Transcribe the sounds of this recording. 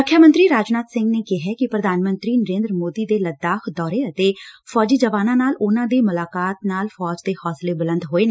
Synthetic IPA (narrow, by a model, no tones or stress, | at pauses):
ʊkʰjaːmə̃nt̪ɾiːɾaːd͡ʒnaːt̪sɪ̃ŋɡneːkɪɦɛːkɪpɾəd̪ʱaːnmə̃nt̪ɾiːnəɾẽːnd̪ɾmoːd̪iːd̪eːləd̪ːaːkʰd̪ɔːɾeːət̪eːfʰɔːd͡ʒiːd͡ʒəʋaːnãːnaːlʊnãːd̪eːmʊlaːkaːt̪naːlfʰɔːd͡ʒd̪eːhɔːsleːbɪlə̃nd̪ɦoːeːne